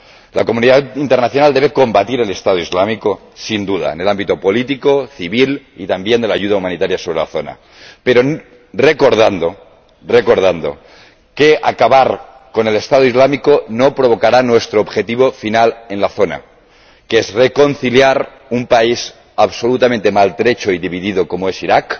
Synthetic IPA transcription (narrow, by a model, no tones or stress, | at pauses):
lakomuniðaint̪enaθjonald̪e̞βe̞ko̞mbat̪iɾe̞le̞st̪að̞oizlamiko | sind̪uða̰ene̞lambit̪o̞po̞lit̪ikoθiβil | ḭt̪ambje̞nd̪elaːʝuð̞aumanit̪aɾjaso̞β̞ɾe̞la̰θo̞na̰ | peɾo | re̞ko̞ɾð̞and̪o̞ | reko̞ɾð̞and̪o̞̰ | keakaβaɾ | ko̞ne̞le̞st̪að̞oizlamikonopɾo̞β̞okaɾanwe̞st̪ɾoβxe̞t̪iβofinalenlaθo̞na̰ | keezreko̞n̟θiljaɾ | umpais | aβso̞lut̪ament̪e̞malt̪ɾet͡ʃoiðiβ̞iðiðoko̞moe̞siɾak